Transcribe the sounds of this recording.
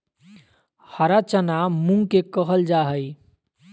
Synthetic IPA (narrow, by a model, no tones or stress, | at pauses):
həɾat͡ʃənamũŋkekəɦəld͡ʒaɦəj